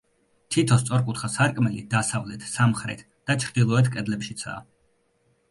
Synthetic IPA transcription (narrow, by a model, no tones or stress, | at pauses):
t̪ʰit̪ʰɔst̪sʼɔɾkʼut̪ʰχasaɾkʼmɛlid̪asavlɛt̪ʰsamχɾɛ̰t̪ʰ | d̪̥at͡ʃʰɾd̪ilˠɔɛt̪ʰkʼɛd̪lɛpʃit̪sʰa̰ː